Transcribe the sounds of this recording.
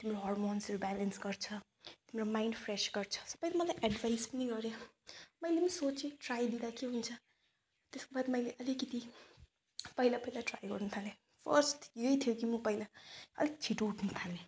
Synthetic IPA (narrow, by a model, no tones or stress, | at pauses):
t̪imɾoɦɔrmonsrobalensɡʌrt͡sʰʌ | t̪imɾomajɳɖpʰresɡ̥ʌrt͡sʰʌ̥sʌpʌjt̪emʌlajʔaɖvajspʌniɡʌɾjʌmʌjlepnisot͡seʈrajd̪id̪akeɦunt͡sʰʌ | t̪eskobad̪mʌjleʔʌlikʌt̪i | pʌilapʌilaʈrajɡʌrnut̪ʰale | pʰʌrsʈjejt̪ʰijokimʌpʌilaʌ̰lit͡sʰiʈouʈʰnut̪ʰale